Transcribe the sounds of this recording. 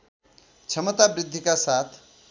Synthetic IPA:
t͡sʰʌmʌt̪abɾid̪ʱːikasat̪ʰ

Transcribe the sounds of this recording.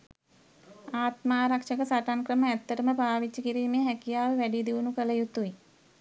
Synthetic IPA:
aːt̪maːɾakʂəkəsaʈaŋkrəməæt̪ːəɾəməbaːʋit͡ʃəkiɾiːmejəɦækijaːʋeʋæɖid̪iʋunukələjut̪ːui

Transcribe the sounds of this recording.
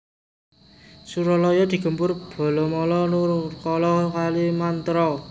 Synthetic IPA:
suɾɔlɔjɔd̪̥i̤ɡ̥ə̤mpʊrb̥ɔ̤lɔmɔlɔnukɔlɔkalimant̪ɾɔ

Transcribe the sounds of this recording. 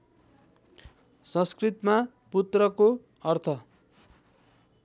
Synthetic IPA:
sʌ̃skrit̪ma | put̪rʌko | ʌrt̪ʰʌ

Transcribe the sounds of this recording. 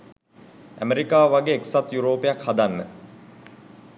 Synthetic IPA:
æ̰meɾikaːʋaɡeːksat̪juɾoːpejakhad̪anːə

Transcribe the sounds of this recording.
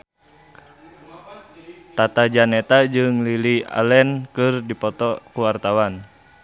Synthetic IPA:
t̪at̪ad͡ʒanɛt̪ad͡ʒɨŋlilia̰lɛnkɨrdipɔt̪ɔkuwart̪awan

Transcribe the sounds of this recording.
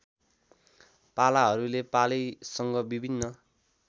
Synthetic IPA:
palaɦʌɾulepalisʌŋɡʌbibʱinːʌ

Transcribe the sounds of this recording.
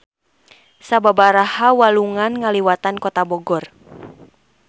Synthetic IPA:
sababaɾahawaluŋanŋaliwat̪ankɔt̪abɔɡɔr

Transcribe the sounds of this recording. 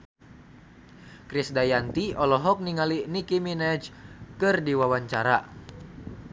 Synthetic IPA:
kɾisdajant̪iɔlɔɦɔk̚niŋalinikiminɛd͡ʒkɨrdiwawaɲt͡ʃaɾa

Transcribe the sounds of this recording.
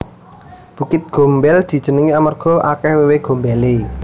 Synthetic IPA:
b̥ṳkɪt̪̚ɡ̥o̤mbɛld̪̥i̤d̥d͡ʒ̥ə̤nəŋiamarɡ̥ɔ̤ʔakɛhweweɡ̥o̤mbɛle

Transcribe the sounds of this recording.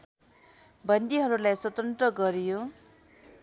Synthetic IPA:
bʌnd̪iɦʌɾulajswʌt̪ʌnt̪rʌɡʌɾijo

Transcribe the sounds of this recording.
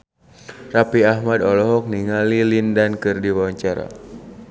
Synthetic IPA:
rapiahmadɔlɔɦɔk̚niŋalilindankɨrdiwawaɲt͡ʃaɾa̰

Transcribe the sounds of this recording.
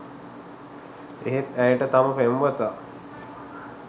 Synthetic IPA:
ḛɦet̪æjəʈət̪aməpemʋət̪a

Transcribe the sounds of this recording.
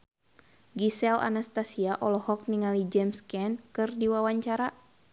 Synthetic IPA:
ɡisɛla̰nast̪asiaʔɔlɔhɔk̚niŋalid͡ʒɛmskɛnkɨrdiwawaɲt͡ʃaɾa

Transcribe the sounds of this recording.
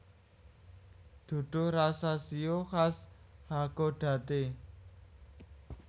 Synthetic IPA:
d̪̥ṳɖ̥ʊ̤rasasioxashaɡ̥oɖ̥ä̤t̪e

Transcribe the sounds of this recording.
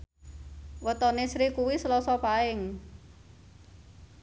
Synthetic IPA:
wət̪ɔnesɾikuwisəlɔsɔpaɪŋ

